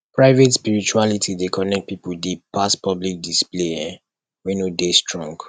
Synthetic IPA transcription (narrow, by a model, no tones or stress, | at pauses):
pʰɹaɪvetspiɹit͡ʃualitʰidekʰɔnɛk̚t̚pipudepaspɔblik̚displeɛ̃ | wenodestɹɔ̃ŋɡ